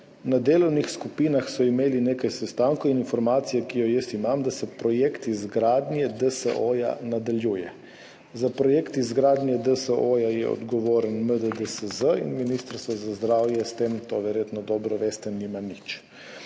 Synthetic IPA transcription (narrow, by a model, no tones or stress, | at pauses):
nad̪eːlownixskupiːnaxsɔimeːlineːkajsɛst̪aːŋkoininfɔɾmaːt̪sijɛkijɔjɛst̪imamd̪asɛpɾɔjekt̪izɡɾaːd̪njɛd̪əsəʔoja̰nad̪aljuːjɛ̰ | zapɾɔjeːkt̪izɡɾaːd̪nʲjɛd̪əsəʔojajɛ̰ɔ̰d̪ɡɔʋoːɾənməd̪əd̪əsəzəḭnminist̪əɾst̪ʋɔzazd̪ɾaːwjɛst̪emt̪oʋɛɾjeːt̪nɔd̪ɔːbɾɔʋest̪ɛnimanit͡ʃ